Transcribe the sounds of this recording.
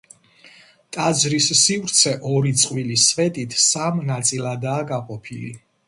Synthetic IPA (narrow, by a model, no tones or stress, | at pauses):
t̪ʼad̪zɾisːivɾt̪sʰɛʔɔɾit̪sʼqʼwilisvɛt̪ʼit̪ʰsamnat̪sʼilˠad̪aːɡaqʼɔpʰilḭ